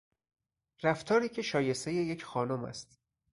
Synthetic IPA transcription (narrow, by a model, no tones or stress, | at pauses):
ræft̪ʰɒːɾiːcʰe̞ʃɒːje̞st̪e̞je̞jecʰxɒːnomæ̰st̪